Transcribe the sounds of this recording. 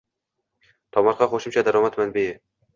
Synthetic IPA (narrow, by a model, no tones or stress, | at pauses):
t̪ʰɒmɒɾqɑχoʃɪmt͡ʃʰad̪aɾɒmat̪manbe